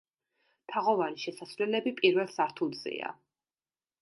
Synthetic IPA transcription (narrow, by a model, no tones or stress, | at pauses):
t̪ʰaʁɔvaɾiʃɛsasvlɛlɛbipʼiɾvɛlˠsaɾt̪ʰulˠzɛ̰a̰